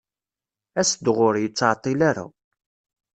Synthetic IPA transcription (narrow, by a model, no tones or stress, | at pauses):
æsd̪ʁʊɾjət͡sːʕt̪ˤːilaɾa̰